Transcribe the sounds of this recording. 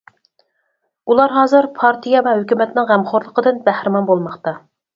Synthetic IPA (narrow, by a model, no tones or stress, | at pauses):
ulˠɑɾɦɑːzɨɾpʰɑɾt̪ʰijɑvɛhøkʲymɛt̪nɪŋʁæmχoɾlˠəqəd̪ɨnbæhɾɪmɑnbolˠmɑχt̪ɑ